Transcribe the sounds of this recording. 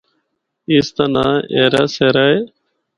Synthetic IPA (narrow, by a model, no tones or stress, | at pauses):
ist̪ɐnaeːɾaseɾaj